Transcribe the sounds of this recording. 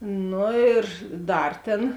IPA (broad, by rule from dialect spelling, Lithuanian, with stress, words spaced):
ˈnʊ ɪr ˈdɐr tʲeːn